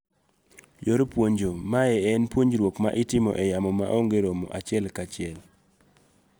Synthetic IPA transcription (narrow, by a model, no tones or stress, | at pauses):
joɾopwoɲd͡ʒomaɛɛnpwoɲd͡ʒɾwokma̰ʔɪtɪmɔ̰ʔɛjamɔma̰ʔoŋɡeɾomo̰ʔat͡ʃɪɛlkat͡ʃɪɛl